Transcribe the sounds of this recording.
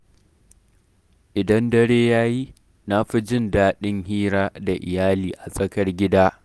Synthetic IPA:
ʔɪ˨dɐ˦ndɐ˦ɽeː˦jaː˦ji˦ | na˦ɸi˦d͡ʒɪ˦ndaː˦ɗɪ˦ŋɦiː˦ɾaː˦da˨ʔɪ̰˨jaː˦liː˨ʔa˨sʼɐ˦kɐ˦rɡʲɪ˦daː˦

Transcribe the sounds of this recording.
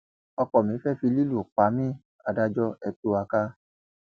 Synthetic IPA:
ɔ˧kɔ˨mĩ˨˦fɛ˦fi˧li˦lu˦˨k͡pa˨˦mĩ˦˨ | a˨da˦d͡ʒɔ˦ɛ˧tu˦a˧ka˦

